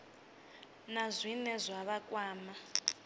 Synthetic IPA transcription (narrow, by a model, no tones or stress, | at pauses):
nazʷinɛzʷaβakʼwaːma